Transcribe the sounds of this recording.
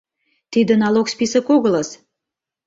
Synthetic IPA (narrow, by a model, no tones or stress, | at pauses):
t̪id̪ə̆nɑlokspisə̆koɣələs